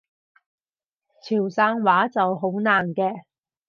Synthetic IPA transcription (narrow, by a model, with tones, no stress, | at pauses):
t͡sʰiː˨˩wsaː˧ŋwaː˨˥t͡sɐ˨wɦo˨˥wnaː˨˩nkɛː˧